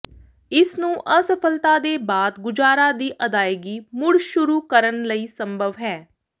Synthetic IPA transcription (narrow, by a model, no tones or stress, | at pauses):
ɪsnũːʔəsəpʰəlt̪aːd̪eːbaːd̪ɡʊd͡ʒaːɾaːd̪iːʔəd̪aːeɡiːmʊɽʃʊɾuːkəɾənləiːsəmbʱəʋɦɛː